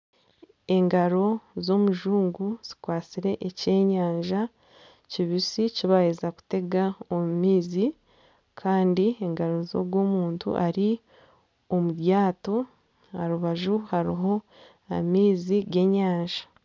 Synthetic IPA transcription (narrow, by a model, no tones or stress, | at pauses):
e̞ŋɡaɾo̞zo̞muʒuːŋɡuz̥i̥kwaːt͡siɾe̞ʔece̞ːɲaːɲʒa | ciβisiciβajezaku̥te̞ɡaomumiːzi | kʰaːndieŋɡaɾo̞zo̰ɡwo̞ːmuːntṵʔaɾi | o̞muβjaːto̞ | aɾuβaʒuhaɾḭɦo̞ | amiːziɡe̞ːɲaːɲʒḁ